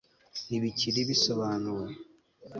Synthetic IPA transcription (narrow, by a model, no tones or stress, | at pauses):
niβiciɾiβiso̞βaːnuɾe